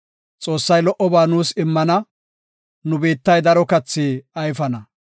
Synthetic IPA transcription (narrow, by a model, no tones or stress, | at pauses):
t͡sʼo̞ːsːɐjlɔʔɔbaːnuːsɪmːɐnɐ | nʊbeːt̪ːɐjd̪ɐɾɔkɐt͡sːiːɐjfɐnɐ